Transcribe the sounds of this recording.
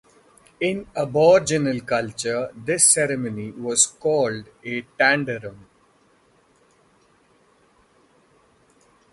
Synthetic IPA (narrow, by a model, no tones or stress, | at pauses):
ɪ̃nəbɔːɾd͡ʒənəlkʌlt͡ʃəɾd̪ɪsːɛɾəməniʋɔːzkɔːlɖeʈæ̃ɳɖəɾə̃m